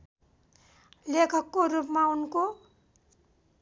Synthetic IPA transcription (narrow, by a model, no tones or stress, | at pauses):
lekʰʌkːoɾupmaunko